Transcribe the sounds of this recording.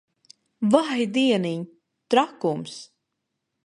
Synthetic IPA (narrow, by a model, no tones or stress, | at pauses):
vajd̪iɛniɲ | t̪ɾakums